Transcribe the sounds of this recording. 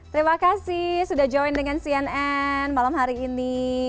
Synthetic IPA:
t̪əɾimakasisudahd͡ʒɔjndəŋansiɛnɛnmalamɦaɾiːni

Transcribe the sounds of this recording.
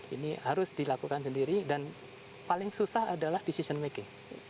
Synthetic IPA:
ḭnihaɾʊsdilakukans̬əndiɾidan | palɪŋsusahadalahdisisənmekɪŋ

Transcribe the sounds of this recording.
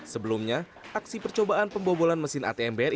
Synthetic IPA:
səbəlumɲa | ʔaksipərt͡ʃobaʔanpəmbobolanməsɪna̰t̪eɛmbeɛr

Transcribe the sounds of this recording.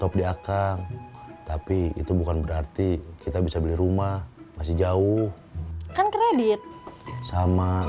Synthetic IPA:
t̪ɔp̚diakaŋt̪apiḭt̪ubukanbəɾart̪ikit̪abisabəliɾumahmas̬ɪhd͡ʒaʊh | kankɾedit̪̚sama

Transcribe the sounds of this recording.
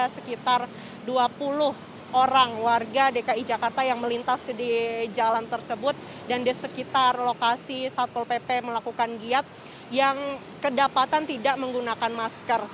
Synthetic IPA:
asəkit̪ar | duapulʊh | oɾaŋwarɡadekaid͡ʒakart̪ajaŋməlint̪asdid͡ʒalant̪ərsəbʊt̪̚ | dandisəkit̪arlokasisat̪̚pɔlpepeməlakukanɡiat̪̚ | jaŋ | kədapat̪ant̪idaʔməŋɡunakanmaskər

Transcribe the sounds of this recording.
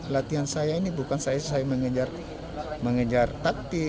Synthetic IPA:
əlat̪iɦansajainibukansajat̪usajaməŋəd͡ʒar | məŋəd͡ʒart̪ak̚t̪i

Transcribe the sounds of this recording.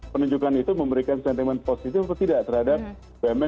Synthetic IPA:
pənuɲd͡ʒukanit̪uməmbəɾikansɛnt̪imɛnposit̪ɪfbət̪idaʔt̪ərhadap̚ | bamɛ

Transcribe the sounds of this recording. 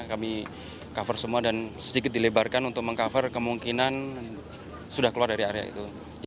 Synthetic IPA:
kami | kafərsəmuadansədikɪt̪̚dilebarkanunt̪ʊk̚məŋkafərkəmuŋkinan | sudahkəluardaɾiaɾea̰ḭt̪u

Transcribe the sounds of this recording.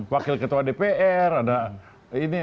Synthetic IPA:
wakɪlkət̪uadepeʔɛrada | ini

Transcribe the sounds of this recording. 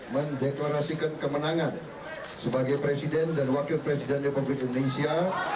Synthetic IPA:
məndeklaɾasikankəmənaŋan | səbaɡajpɾesidɛndanwakɪlpɾesidɛnrepublɪk̚indonesia

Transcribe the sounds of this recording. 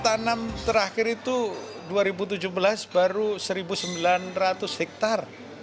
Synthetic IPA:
t̪anamt̪əɾaxɪɾit̪u | duaɾibut̪̬ud͡ʒʊhbəlasbaɾusəɾibusəmbilanrat̪ʊshɛk̚t̪ar

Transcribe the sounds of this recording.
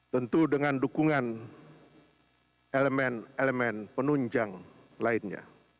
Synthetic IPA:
t̪ənt̪udəŋandukuŋan | eləmɛneləmɛnpənuɲd͡ʒaŋ | laɪnɲa̰

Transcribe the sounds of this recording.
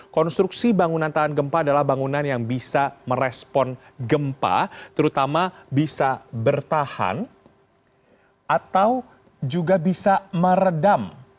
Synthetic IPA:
kɔnst̪ɾuksibaŋunant̪aɦanɡəmpaːdalahbaŋunanjaŋbisaməɾɛspɔn | ɡəmpa̰t̪əɾut̪amabisabərt̪aha̰n | ʔat̪aw | d͡ʒuɡabisaməɾədam

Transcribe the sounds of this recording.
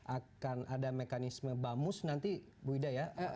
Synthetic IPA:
ʔakanadamekanisməbamʊsnant̪i | buidaja

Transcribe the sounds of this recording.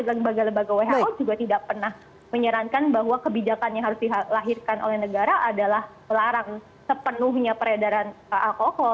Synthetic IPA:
ləmbaɡaləmbaɡaweɦaɔd͡ʒuɡat̪idaʔpərnah | məɲəɾaŋkanbaɦwakəbid͡ʒakanjaŋɦaɾʊsdiɦalaɦirkanʔo̰lɛhnəɡaɾaʔadalahməlaɾaŋ | səpənʊɦɲapəɾedaɾanaʔakokɔ

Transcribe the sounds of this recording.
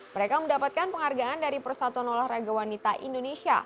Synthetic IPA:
məɾekaməndapat̪̚kanpəŋarɡaandaɾipərsat̪ɔnɔlahraɡawanit̪aʔḭndonesia̰

